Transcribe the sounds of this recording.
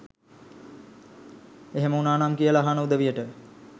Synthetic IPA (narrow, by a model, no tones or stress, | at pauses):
eɦeməunaːnaːmkijəlaɦanəud̪əʋijəʈə